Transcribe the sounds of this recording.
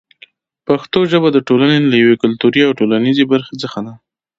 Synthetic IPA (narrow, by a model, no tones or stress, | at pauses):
paxt̪oʒəbad̪əʈolanelajawekʊlt̪uɾiawʈolanizebaɾxed͡zəxad̪a